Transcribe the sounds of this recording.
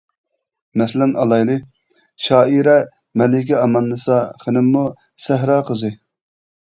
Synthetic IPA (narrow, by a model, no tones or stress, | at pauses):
mɛslɪmɑlˠɑjlˠɨ | ʃɑːiɾɛ | mɛlɪkʲʰiɑmɑnːɨsɑχɪnɪmːu | sæɦɾɑːqəzɨ